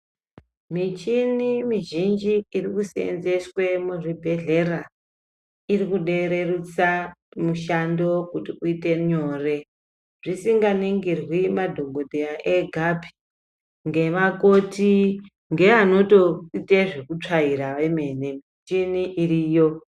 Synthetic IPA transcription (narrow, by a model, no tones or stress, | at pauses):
mit͡ʃinimiʒind͡ʒiirikusiḛnze̞swe̞muʐibʱe̞ɮe̞ra | irikuɗe̞ɾerut͡samuʃando̞kutiuite̞ɲo̞ːre̞ | ʐisiŋɡaneŋɡirwimadʱo̞mɡo̞dʱejaʔe̞ɡʱapʰi̥ | ŋɡe̞makoti | ŋɡe̞ano̞toiteʐe̞kut͡ʂaiɾaʋeme̞nemit͡ʃiniʔiriːjo